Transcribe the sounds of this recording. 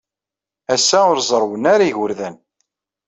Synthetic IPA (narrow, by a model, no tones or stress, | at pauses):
æsːæʊɾzˤəɾˤwənaɾaiʝʊɾðæn